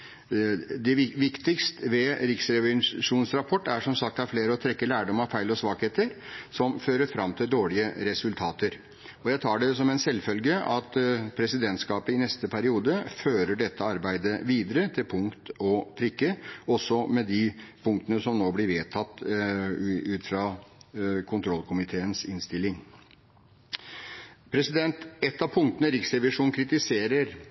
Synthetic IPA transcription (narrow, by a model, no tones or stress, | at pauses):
d̪ɛʋʋɪkt̪ɪkst̪ʋɛɾɪksɾɛʋɛʂuːnsɾɑpʰɔʈːæʂɔmsɑk̚t̪hæɾfleːɾəɔt̪ʰɾɛkːəlæːɖɔmɑʋfæɪlɔsʋɑːkheːt̪əɾsɔmføːɾəɾfɾɑmːt̪ʰɪld̪oːɭɪəɾɛsʉlt̪ʰɑːt̪əɾ | ɔjæɪt̪ʰɑːɖɛsɔmɛɪnsɛlːfœlɡəʔɑt̪pʰɾɛsɪd̪ɛnt̪skɑːpəɪnɛst̪əpʰæɾɪuːd̪əføːɾəɖɛt̪ːəɑɾbæɪd̪əʋiːd̪əɾət̪ʰɪlpʰʊŋkt̪ɔpʰɾɪkːəɔsɔmɛd̪ɪpʰʊŋk̚t̪ənəsɔmnoːblɪɾʋeːt̪ʰɑt̪ː | ʉːt̪fɾɑː | kʰʊnt̪ʰɾɔlːkʰʊmɪt̪ʰeːənsɪnst̪ɪlːɪŋ | pʰɾɛsɪd̪ɛnt̪ɛt̪ːɑpʰʊŋkt̪ənəɾɪksɾɛʋɪʂuːnkʰɾɪt̪ɪseːɾəɾ